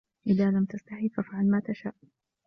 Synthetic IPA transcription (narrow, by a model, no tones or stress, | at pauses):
ʔɪðaːlamt̪ast̪aħiːfafʕalmaːt̪aʃaːʔ